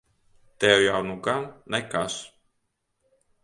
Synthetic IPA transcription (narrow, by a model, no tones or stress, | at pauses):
t̪ɛwjawnuɡannɛkas